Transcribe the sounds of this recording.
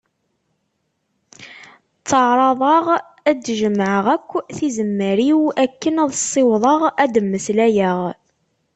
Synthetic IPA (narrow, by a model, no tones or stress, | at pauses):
t͡sːəʕɾˤɑðˤɑʁ | æd̪ʒəmːʕəʁækʷːθizəmːəɾiwækːənæðˤsˤːɪwðˤɑʁæd̪əmːəslæjəʁ